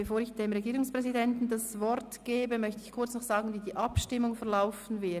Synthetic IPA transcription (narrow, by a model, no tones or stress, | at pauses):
b̥efoːɾɪçd̥eːmʁeɡiːʁʊŋspʁ̥ɛzidɛntn̩dasvɔɾtɡ̥eːbəmœçtəɪçkʰʊɐt͡snɔχz̥aːɡn̩viːdiːʔɑpʃtɪmʊŋfɛɐlaʊfn̩vɪ